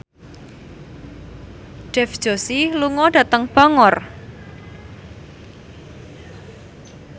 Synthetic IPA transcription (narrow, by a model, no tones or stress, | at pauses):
ɖ̥ɛfd̥ʒ̥o̤siluŋɔɖ̥a̤t̪əŋb̥aŋɔr